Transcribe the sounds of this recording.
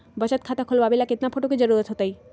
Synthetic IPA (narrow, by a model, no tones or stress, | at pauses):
bət͡ɕət̪̚kʰat̪akʰolabilaket̪napʰoʈoked͡ʑəɾuɾət̪ɦot̪aj